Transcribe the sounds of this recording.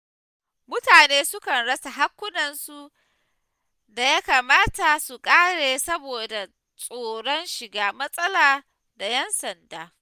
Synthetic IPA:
mʊ˦taː˨neː˦sʊ˦kɐ˨nɽɐ˦sa˨ɦa˦kʷːʊ˦nɐ˨nsu˦˨ | da˨ja˦kaː˨maː˦ta˨su˨kʼaː˦ɽeː˨sɐ˦boː˨da˨ | sʼoː˨ɽɔ˦nʃɪ˨ɡaː˦mɐ˦sʼɐ˦laː˨ | da˨jɛ˦nsɐ˨ndaː˦

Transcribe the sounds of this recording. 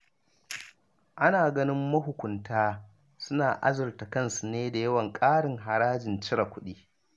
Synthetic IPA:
ʔa˦naː˨ɡɐ˦nɪ˦mːɐ˦ɦʊ˨kʷʊ˨ntaː˦ | sʊ˦naː˨ʔa̰˦zʊ˨rta˨kɐ˦nsu˨neː˦da˨jɐ˦wɐ˨ŋkʼaː˦ɽɪ˨ŋɦa˨ɽaː˦d͡ʒɪ˨nt͡ʃɪ˦ɾa˨kʷʊ˦ɗiː˦

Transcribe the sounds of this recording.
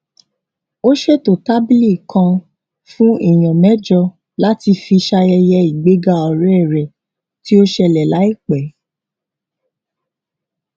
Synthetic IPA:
o˦ʃe˦˨to˨ta˦bi˦li˦˨kã˧ | fũ˦i˦˨j̃ɔ̃˨mɛ˨˦d͡ʒɔ˧ | la˦ti˧fi˧ʃa˧jɛ˧jɛ˧i˨ɡ͡be˨˦ɡa˦ɔ˨ɾɛ˦ɛ˦˨ɾɛ˨ | ti˦o˦ʃɛ˧lɛ˨la˨˦i˦˨k͡pɛ˨˦

